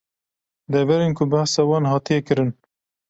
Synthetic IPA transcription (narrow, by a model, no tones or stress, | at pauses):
d̪ɛvɛɾenkʰʊbæhsɑwɑːnhɑːt̪ijɛkɨɾɨn